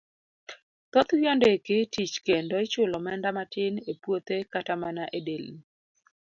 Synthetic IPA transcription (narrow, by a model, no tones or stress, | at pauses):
t̪ot̪wjɔndekɪtit͡ʃkendoɪt͡ʃʊlɔmɛndamatɪnepwot̪ekatamanaʔedel